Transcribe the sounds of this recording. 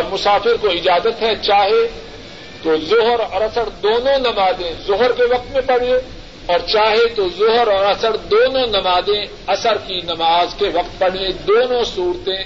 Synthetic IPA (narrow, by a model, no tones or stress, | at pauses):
mʊsaːfɪɾkoɪd͡ʒaːzət̪ɦɛt͡ʃaːɦe | t̪ozʊɦɾɔːɾɐsəɾd̪oːnõnɐmaːzẽzʊɦɾkeʋɐq̚t̪mẽpɐɽ̤e | ɔːɾt͡ʃaːɦet̪ozʊɦɾɔːɾɐsəɾd̪oːnõnɐmaːzẽ | ɐsəɾkinɐmaːzkeʋɐqt̪̚pɐɽ̤ẽd̪oːnõsuːɾt̪ẽ